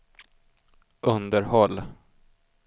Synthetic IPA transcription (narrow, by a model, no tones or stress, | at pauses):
ʔɵnd̪əɾhɔlː